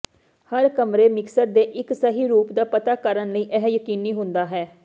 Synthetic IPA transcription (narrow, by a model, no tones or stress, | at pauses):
həɾkəmɾeːmɪksəɾ̚d̪eːʔɪksəɦiːɾuːpd̪aːpət̪aːkəɾənləiːʔɛɦjəkiːniːɦʊ̃nd̪aːɦɛː